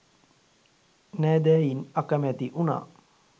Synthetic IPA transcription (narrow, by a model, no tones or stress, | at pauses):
næːd̪æːjinakəmɛt̪iʔuna̰ː